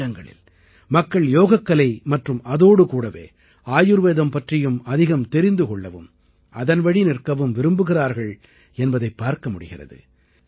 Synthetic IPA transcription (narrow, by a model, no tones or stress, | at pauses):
ɐŋɡɐɭɪ̰l | mɐkːɐɭjoːɣɐkːɐlɐɪmɐʈrɯmɐðoːɽɯkuːɽɐʋḛː | aːjɯɾʋeːðɐmpɐʈrɪjɯmɐðɪɣɐmt̪ɛɾɪnd̪ɯkɔɭːɐʋɯ̰m | ɐðɐnʋɐɽinɪrkɐʋɯmʋɪɾɯmbɯɣɪraːɾɣɐɭ | ɛnbɐðɐɪpːaːɾkɐmʊɽɪɣɪrɐ̰ðɯ̰